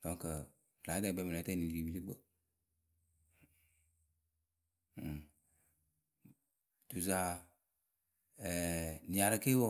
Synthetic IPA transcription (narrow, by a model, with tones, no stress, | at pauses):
d̥ɔ̃˨˦ŋkə˨ | la˨˦dɛ˦˨bɛ˦m˨lɛ˨˦tɛ˦˨ni˨i˨bi˦li˦ɡ͡bo˨ | tu˨za˨ | ɛ˨nĩ˨a˨ɾə˦ke˦wo˦